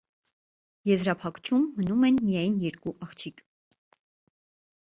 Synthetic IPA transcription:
jɛzɾɑpʰɑkt͡ʃʰumːənumɛnmijɑjnjɛɾkuʔɑχt͡ʃʰik

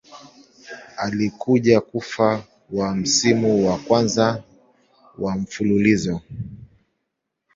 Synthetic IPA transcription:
alikʰuʄakufa | wam̩simuwakwanza | wam̩fululizɔ

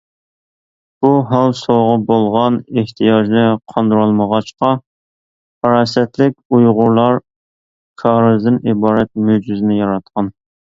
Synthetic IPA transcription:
b̥uɦɑwsoʁɑbolˠʁɑneht̪ʰijɑːʒnɪqʰɑnd̪ɾolˠməʁɑt͡ʃqɑ | pʰɑɾɑsɛt̪lɪkʲujʁʊɾlˠɑɾ | kʰɑːɾɨzd̪ɪnibɑːɾɛt̪̚mød͡ʒizɪnɪjɑɾɑt̪̚qʰɑn

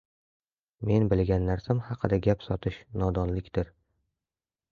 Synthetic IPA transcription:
me̞nbɪlɡʲanːaɾsamhɑqʰɨd̪aɡʲapsɒt̪ʰɪʃnɒd̪ɒnlɪkʲt̪ɪɾ

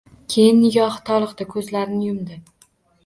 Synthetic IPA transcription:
kʲʰe̞jɪnːɪɡʲɒht̪ʰɒlˠɨqd̪ɪkʰɵzlaɾɪnɪjʊmd̪ɪ

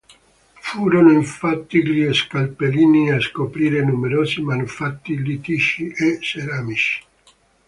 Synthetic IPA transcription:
fuːɾonoiɱfat̪ːiʎieskalpeliːniaskopɾiːɾenumeɾoːzimanufat̪ːilit̪iʃiʔeseɾamit͡ʃi̥

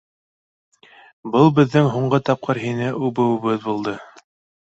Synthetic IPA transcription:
bɤlˠbɘ̆ðːɘŋɦuɴɢɤt̪ɑp̚qʰɤɾɦinɘʔʉβɘ̆wɘ̆βɘðbulˠd̪ɤ

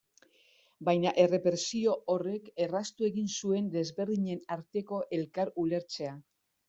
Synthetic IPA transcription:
bajnaʔe̞re̞pɾe̞sio̞ʔore̞ke̞rast̪ue̞ɣinsue̞nd̪e̞zβe̞ɾðiɲe̞naɾt̪e̞ko̞ʔe̞lkaɾule̞ɾt͡se̞a

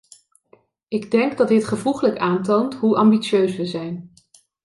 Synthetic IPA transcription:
ɪɡdɛŋɡdɑtɦɪtχəvuχələkaːntowntɦuʔɑmbit͡ʃøɥsʋəzɛjn

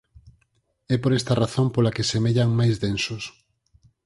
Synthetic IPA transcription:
ɛpoɾɛst̪ɐraθõmpolakesemeʎaŋmajzd̪ensʊs

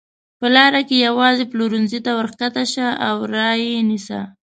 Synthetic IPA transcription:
pəlɑɾakejawɑzeploɾunzit̪awəɾkat̪aʃaawɾɑjenisa̰

